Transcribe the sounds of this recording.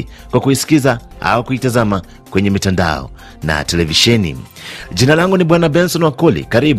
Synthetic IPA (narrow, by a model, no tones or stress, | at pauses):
kwakuisi̥kizaa̰wakuitazama | kwɛɲɛmitanda̰ɔ̰ | na̰tɛlɛviʃɛnḭ | ʄinalaŋɡuniɓwanabɛnsɔnwakɔlḭkaɾiɓ